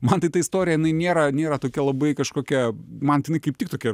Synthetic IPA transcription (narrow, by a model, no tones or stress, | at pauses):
mɐnt̪ɐɪt̪ɐɪst̪oːɾʲɪjɛjɪnɐɪnʲeːɾɐnʲeːɾɐt̪oːkʲɛlˠɐbɐɪkɐʃkoːkʲɛmɐnt̪ʲɐɪnɐɪkɐɪp̚tʲɪkt̪oːkʲɛ